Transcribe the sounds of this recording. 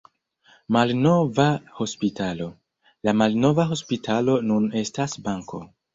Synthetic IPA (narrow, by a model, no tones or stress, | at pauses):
malno̞vaho̞spitalo̞ | lamalno̞vaɦo̞spitʰalo̞nune̞stasbaŋko̞̰